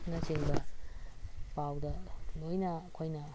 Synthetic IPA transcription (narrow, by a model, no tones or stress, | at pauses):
nɐseŋbɐ | pawdɐlojnɐkʰojnɐ